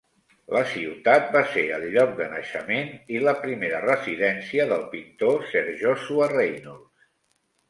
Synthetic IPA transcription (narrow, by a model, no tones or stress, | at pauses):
ləsiwt̪at̪̚baseɾəʎʎːɔk̚d̪ənəʃəmeniləpɾimeɾərəziðɛnsiəðəlˠpint̪osəɾʒosuərejnulˠs